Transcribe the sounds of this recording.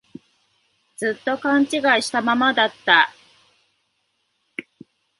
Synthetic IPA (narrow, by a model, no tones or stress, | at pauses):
d͡zɨt̪ːo̞kãɲ̟t͡ɕiɡaiɕi̥t̪amamad̪at̪ːa